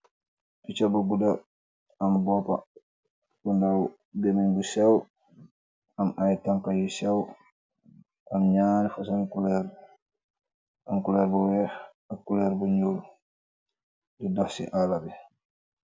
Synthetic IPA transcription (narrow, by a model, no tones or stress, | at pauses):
ʔit͡ʃabɔbuda | ambɔpa̰ | kundaw | bɛmiɲbusɛw | amajtaŋkajisɛw | ʔamɲanifasaŋkulɛɾ | amkulɛɾbɔwɛ | akːulɛɾbɔɲoːl | dudafsḭʔalabɛ